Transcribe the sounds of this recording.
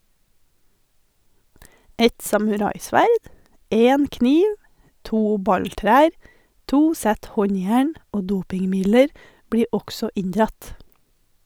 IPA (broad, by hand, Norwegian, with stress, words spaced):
ˈɛt sɑmʉˈɾɑɪˌsʋæɾd ˈeːn ˈkniːʋ ˈtuː ˈbɑɲˌtɾæːɾ ˈtuː ˈsæt ˈhɔɲˌjæːɳ ˈoː ˈduːpɪŋˌmɪdləɾ ˈbɽiːɾ ˈɔksɔ ˈɪɲdɾɑt